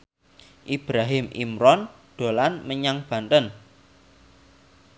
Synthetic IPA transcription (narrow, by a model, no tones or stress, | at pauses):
ʔib̥ɾaɦɪmʔḭmɾɔn | ɖ̪̥o̤lanməɲaŋb̥ä̤nt̪ən